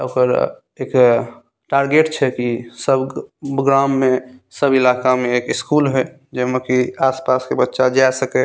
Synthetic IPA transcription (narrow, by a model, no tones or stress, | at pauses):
okəɾ | ek | ʈaɾɡeʈt͡ʃʰɛkisəbbɡɾãmːesəbilakameːkiskulɦɛ | d͡ʒemekiaspaskebətːʃad͡ʒasəkɛ